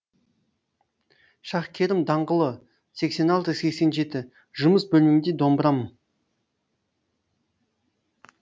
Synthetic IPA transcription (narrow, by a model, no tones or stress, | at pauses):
ʃɑχkʲʰe̞ɾɪmd̪ɑɴʁəlˠə | se̞kse̞nɑlˠt̪əse̞kse̞nʒe̞t̪ɪ | ʒʊməsbɵlmɪmɪd̪ed̪o̞mbəɾɑmə